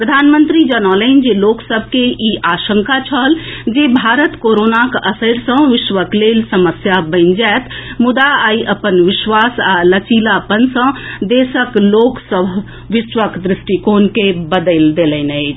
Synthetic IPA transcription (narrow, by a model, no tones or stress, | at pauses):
pɾəd̪ʱanmənt̪ɾid͡ʒənələnd͡ʒeloksəbʱkeiʔaʃəŋkat͡ʃʰəld͡ʒebʱaɾət̪koɾonakəsəɾsə̃ʋɪʃʋəklelsəməsjabəɪnd͡ʒɛt̪ʰmud̪aaiʔəpənʋiʃʋasalət͡ʃilaəpənsə̃d̪esəkloksəbʱ | ʋɪʃʋəkd̪ɾisʈikonkebəd̪əld̪eləɪnət͡ʃʰ